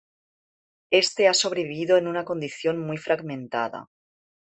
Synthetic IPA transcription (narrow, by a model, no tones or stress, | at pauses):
e̞st̪e̞aso̞β̞ɾeβiβiðoenunako̞nd̪iθjo̞nmujfɾaɣmẽnt̪a̰ða̰